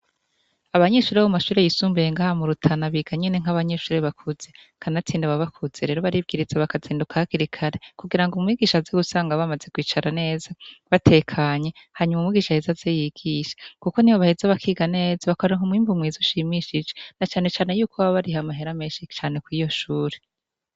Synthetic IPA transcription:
aβaɲe̞ʃuːɾeβumaʃuːɾe̞jisuːmbejeŋɡaːhamuɾutʰanaβiɡ̥aɲeneŋ̥aβaɲe̞ʃuːɾeβakʰuze̞ | kʰanatiːndeβaβakʰuz̥eɾe̞ːɾo̞βaɾib̚ɡiɾiz̥aβakaziːndukʰahkiɾikʰaɾe̞kuɡiɾaŋɡumŋwiːɡiːʃazeɡusaːŋɡaβamazekwiːt͡ʃaɾane̞ːzaβatʰe̞ːkʰaɲe̞ | haːɲumaumŋwiːɡiːʃahezazejiɡ̥iʃḁkuko̞niβoβahezeβakʰiːɡane̞ːzaβakoɾeŋhumŋiːmbumwizuʃimiʃid͡ʒenat͡ʃaːne̞t͡ʃaːne̞juːkʰoβaβaɾiɦamaɦeɾame̞ːʃit͡ʃaːne̞kwiːjo̞ʃuːɾe

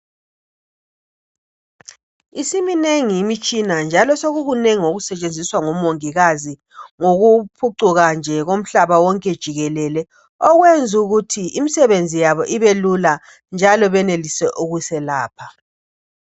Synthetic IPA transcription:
isimineŋiːmit͡ʃʼinand͡ʒʱalɔsoɣuɣuneŋiŋoɣusɛt͡ʃʼend͡zʱiswaŋɔmoŋiɣazi | ŋoɣupʰuǀuɣand͡ʒʱɛɣom̩ɬaβawɔŋkʼɛd̥ʒ̥ʱiɣɛlɛlɛ | ɔɣwend͡zʱuɣutʰiimisɛβend͡zʱijaβɔʔiβelula | nd͡ʒʱalɔβɛnelisɛʔuɣusɛlaːpʰa

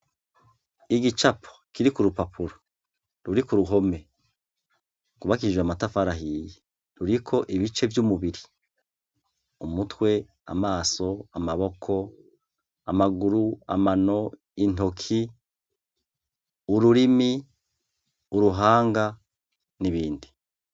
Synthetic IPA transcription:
iɡit͡ʃapʰo̥kiɾikuɾupapʰuɾo | ɾuɾikuɾuɦo̞me̞ | kuβakiʒwamatafaɾaɦiːje | ɾuɾikʰo̞ʔiβit͡ʃe̞vjumuβiɾi | umutwe̞ | a̰maːso̞amaβo̞kʰo̞ | a̰maɡuɾua̰mano̞ | in̥to̞kʰi | uɾuɾimi | uɾuɦaːŋɡa | niβiːndi

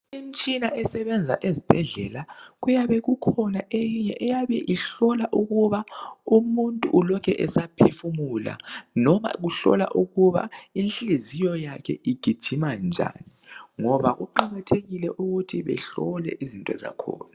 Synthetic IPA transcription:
imt͡ʃʼinaʔɛsɛβɛnd͡zʱa̰ʔezib̥ʱɛɮɛlaɣujaβɛɣukʰɔnaʔejiɲɛʔɛjaβɛʔiɬɔlaʔuɣuβaumuntʼuʔːlɔkʰɛʔɛsapʰefumula̰nɔma̰ɣuɬɔ̰la̰ʔuɣuβa̰inɬizijɔjakʰɛiɡ̥ʱid̥ʒ̥ʱimand͡ʒʱa̰niŋɔβaɣuǃaɣatʰeɣilɛʔuɣutʰiβɛ̰ɬɔlɛ̰ʔizintʼwɛ̰za̰kʰɔ̰ːna

